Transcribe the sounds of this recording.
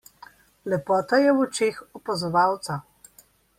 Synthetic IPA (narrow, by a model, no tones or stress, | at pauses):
lɛpɔːt̪ajɛwɔt͡ʃeːxɔpazɔʋawt̪sa